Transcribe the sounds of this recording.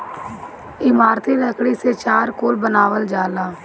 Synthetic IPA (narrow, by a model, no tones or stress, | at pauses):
ɪmaːɾt̪ʰiːɾəkɽiːseːt͡ʃaːɾkʊːlbənaːʋəld͡ʒaːlaː